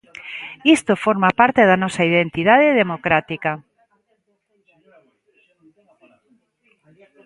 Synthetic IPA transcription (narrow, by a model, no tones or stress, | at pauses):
ist̪ofoɾmapaɾt̪eðanɔsaiðent̪iðað̞eðemokɾat̪ika